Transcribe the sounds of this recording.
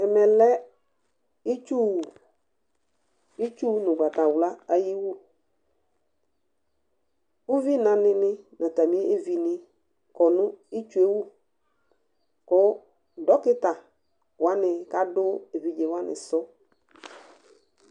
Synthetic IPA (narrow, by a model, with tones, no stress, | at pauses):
ɛ˨mɛ˨lɛ˦ | i˦t͡ʃu˦˨ | i˦t͡ʃu˦nʊ̃˨ɡa˨t̪a˨wla˦a˦ji˦wu˦ | u˦vi˦nã˨nɪ˨nɪ˦nʔã˨ta˨mĩ˦ʔe˦vi˨nɪ̃˦ | kɔ˨nʊ̃˦i˦t͡ʃu˦e˦wu˦ | kʊ˦ | dɔ˦kɪ˦ta˨ | wa˦nɪ˨ka˦dʊ˦e˨vi˨d͡ʒe˨wa˦nɪ̰˨sɔ˦